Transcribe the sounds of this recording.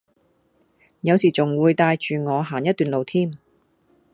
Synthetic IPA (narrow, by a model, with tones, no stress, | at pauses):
jɐ˨˧wsiː˨˩t͡sʊ˨ŋwuː˨˧jt̪aː˧jt͡ʃyː˨ŋɔː˨˧ɦaː˨˩njɐ˥t̪ːyː˨nlo˨wt̪ʰiː˥m